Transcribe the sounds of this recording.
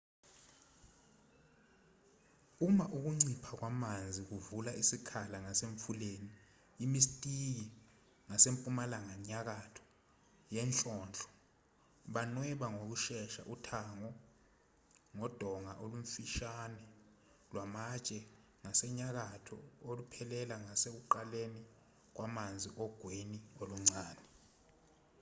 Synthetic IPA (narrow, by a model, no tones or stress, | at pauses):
umaʔuk̬uŋ͡ǀipʰak̬wamand͡zʱik̬uvulaʔisikʰalaŋaseɱfuleːniː | mistʼik̬i | ŋasempʼumalaŋaɲak̬atʰɔ̥ | jɛnɬʼɔːnɬʰʼɔ̥ | ɓanwɛɓaŋok̬uʃɛʃa̰ʔutʰaŋɔ | ŋɔd̥ʱɔŋaʔolum̩fiʃanɛ | lwamat͡ʃʼɛ | ŋasɛɲak̬atʰɔ̰olupʰɛlɛlaŋasek̬uǃaleni | k̬wamand͡zʱiʔɔɡ̥ʱwenioluŋ͡ǀaːdɛ